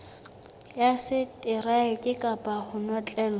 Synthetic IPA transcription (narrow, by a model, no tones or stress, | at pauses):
jasɪtʼɪraɪkʼɪkʼapʼahʊnɔt͡ɬʼɛːlɔ